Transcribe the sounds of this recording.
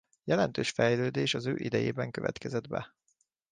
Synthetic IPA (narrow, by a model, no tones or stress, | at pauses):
jɛlɛnt̪øːʃfɛjløːd̪eːʃɒzøːʔid̪ɛjeːbɛŋkøvɛ̰t̪kɛzɛd̪bɛ̰